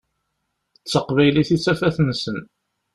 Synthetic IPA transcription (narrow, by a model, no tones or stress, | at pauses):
ət͡sːəqvæjliθit͡sːæfæθənsən